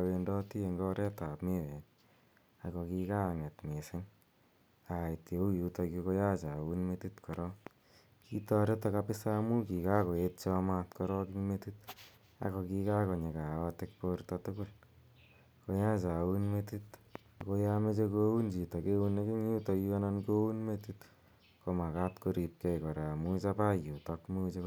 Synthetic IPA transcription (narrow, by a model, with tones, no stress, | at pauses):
awe˧ndɔ˦ti˦e˧ŋɡɔ˦ɾe˦ta˨pme˦wɛ˨n | a˨kɔ˨ki˧ka˦˨ŋɛ˨tme˨se˦ŋ | a˨i˨tje˨u˦ju˨tɔ˧kiko˦ja˦t͡ʃa˨wu˦nme˦ti˦tkɔ˨ɾɔ˦ | ki˦tɔ˦ɾe˦ta˧kapi˦sa˦mu˦ki˨ka˦ko˨e˦t̚t͡ʃɔ˦ma˦tkɔ˦ɾɔ˦kiŋme˦ti˦t̚ | a̰ko˧ki˧ka˦ko˨ɲe˨ka˨watek̚poɾtatuku˦l | ko˧ja˦t͡ʃa˨unmetit | ko˧jame˦t͡ʃekou˦nd͡ʒi˨tɔ˨kewuneki˦ŋju˦tɔ˧kiwa˦nanko˦unmetit | ko˧ma˨katkoɾi˧p̚kɛjkɔ˨ɾa˨mut͡ʃapa˦ju˨tɔkmu˦t͡ʃe˧